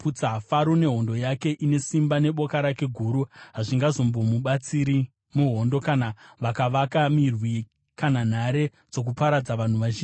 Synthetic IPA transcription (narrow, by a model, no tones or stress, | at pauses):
put͡saɦafaɾone̞ɦo̞ndo̞jake̞ʔine̞simbane̞ɓo̞kaɾake̞ɡʱuːɾuɦaʐiŋɡazo̞mbo̞muɓat͡siɾi | muɦo̞ndo̞kanaʋakaʋakamirwi | kanan̤aɾe̞ | d͡zo̞k̬upaɾad͡zaʋan̤uʋaʒiːn